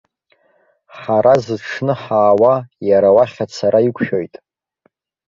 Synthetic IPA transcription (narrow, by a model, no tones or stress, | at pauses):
ħaɾʔazɨʈ͡ʂʰnɨħaːwajaɾawaχʲat͡sʰaɾaikʷʰʃojtʼ